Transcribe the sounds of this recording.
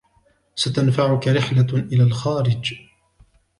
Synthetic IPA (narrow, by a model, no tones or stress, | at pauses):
sat̪anfaʕʊkaɾɪħlaʔɪlaːlxaːɾɪd͡ʒ